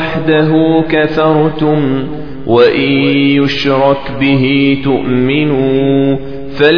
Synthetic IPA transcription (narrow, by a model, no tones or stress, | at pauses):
ħd̪aɦuːkaθɑɾˤt̪ʊm | waʔɪjʊʃɾˤɑkbɪɦiːt̪ʊʔmɪnuː | fal